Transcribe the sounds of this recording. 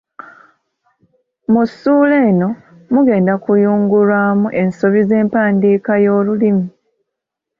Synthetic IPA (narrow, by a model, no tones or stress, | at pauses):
musuːle̞ːno̞ | muɡe̞ːndakujuːŋɡulwaːmuʔe̞nso̞βize̞ːmpaːndiːkajo̞ːlulimi